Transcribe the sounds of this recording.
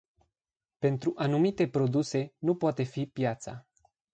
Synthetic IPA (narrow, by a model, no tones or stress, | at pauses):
pe̞nt̪ɾuʔanumit̪e̞pɾo̞d̪use̞nupoat̪e̞fipjat̪sa̰